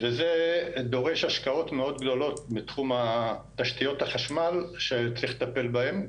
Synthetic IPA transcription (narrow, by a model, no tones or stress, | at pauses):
vezed̪o̞ʁe̞ʃaʃkao̞tme̞o̞dɡdo̞lo̞tmitχumataʃtijo̞thaχaʃmalʃet͡sʁiχlt̪ape̞lbahe̞m